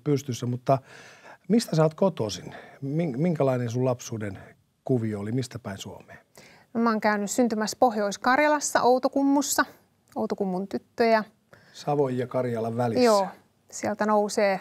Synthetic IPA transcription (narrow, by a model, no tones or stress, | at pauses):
pyst̪ysːæmut̪ːɑ | mist̪æsɑːt̪kot̪osinːmiŋmiŋkælɑinensulɑpsuːden | kuʋiolimist̪æpæinsuomeː | mɑːŋkæynyssynt̪ymæspohjoiskɑrjɑlɑsːɑ̰ʔout̪okumːusːɑ | out̪okumːunt̪yt̪ːøjɑ | sɑʋojjɑkɑrjɑlɑʋʋælijsoː | siɛlt̪ænouseː